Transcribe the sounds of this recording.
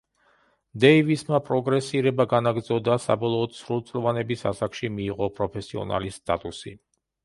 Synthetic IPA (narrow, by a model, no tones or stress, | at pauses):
d̪ɛivismapʼɾɔɡɾɛsiɾɛbaɡanaɡɾd̪zɔd̪asa̰bɔlˠɔːd̪̥sɾulˠt̪sʼlvanɛbisasakʃimiːʁɔpʼɾɔpʰɛsiɔ̰na̰list̪ʼat̪ʼusḭ